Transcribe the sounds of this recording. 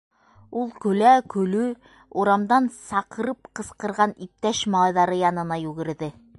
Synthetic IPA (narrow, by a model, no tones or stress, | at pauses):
ulˠkɵ̆lækɵ̆lɵ | uɾɑmd̪ɑnsɑqɤ̆ɾɤp̚qɤ̆sqɤ̆ɾʁɑnip̚t̪æʃmɑlˠɑjðɑɾɤjɑnɤ̆nɑjʉɡɘ̆ɾðɘ